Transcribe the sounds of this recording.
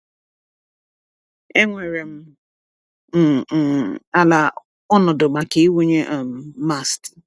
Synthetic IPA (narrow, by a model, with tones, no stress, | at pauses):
e˦ŋʷe˨ɾe˨m̩˦ | m̩˦˨ | a˦la˨ | ɔ˦nɔ˨dʊ˨ɡ͡ba˨ke˦i˦wo˦ɲe˦ʔa˨m̩˨ma˦˨st